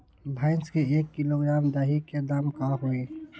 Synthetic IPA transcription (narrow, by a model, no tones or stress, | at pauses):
bʱaːɪnskeeːkːɪloɡɾaːmd̪aːɦiked̪aːmkaɦoeː